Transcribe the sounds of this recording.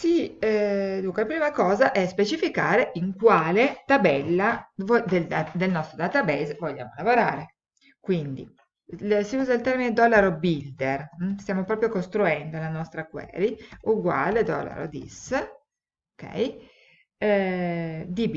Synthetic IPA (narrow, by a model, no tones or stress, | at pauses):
siɛd̪uŋkwelapɾiːmakɔːzaʔɛspet͡ʃifikaːɾeʔiŋkwaːlet̪abɛlːavod̪ead̪elnɔst̪ɾod̪at̪abɛzvoʎːa̰ːmolavoɾaːɾe | kwind̪ḭ | siuːzailt̪ɛrmined̪ɔlːaɾobild̪erst̪jaːmopɾɔːpɾjokost̪ɾuɛnd̪olanɔst̪ɾakwɛ̰ːɾiuɡwa̰ːled̪ɔ̰lːa̰ɾo̰d̪ḭs | okɛ̰j | d̪ib